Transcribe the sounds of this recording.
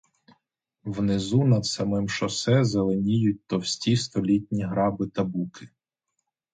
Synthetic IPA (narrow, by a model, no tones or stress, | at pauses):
wnezunɐd̪sɐmɪmʃɔsɛzelˠenʲijʊt̚ʲt̪ɔwsʲtʲist̪ɔlʲitʲnʲiɦɾɑbɪt̪ɐbukɪ̥